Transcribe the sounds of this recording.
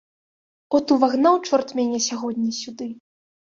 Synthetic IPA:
ɔt̪uvaɣnawt͡ʂɔrt̪mʲɛnʲɛsʲaɣɔd̪ʲnʲisʲud̪ɨ

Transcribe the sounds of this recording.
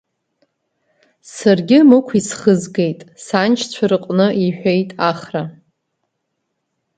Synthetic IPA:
sarɡʲɪmɨkʷʰisχəzɡe̞jtʼsant͡ʃʰt͡sʷʰaɾɨqʼnɨiħʷᶣejtʼaχra

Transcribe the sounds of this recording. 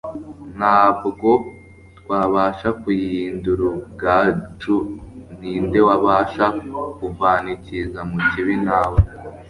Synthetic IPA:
n̥aːbɡo̞ | tkwaːβaːʃakujiːnduɾuɡaːt͡ʃun̥iːnde̞waβaʃakuvaːnicizamuciβinaːwe

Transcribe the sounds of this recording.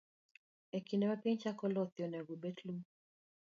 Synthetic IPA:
ɛkinɛmapɛɲt͡ʃakɔlɔθjɔnaɡubɛtlum

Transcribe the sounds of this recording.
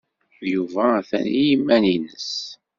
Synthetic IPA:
juvæθæ̰nijimːæninəs

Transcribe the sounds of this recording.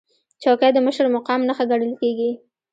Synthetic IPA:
t͡ʃɑkad̪əməʃɾmʊqɑmnaxaɡaɽəlkeɡi

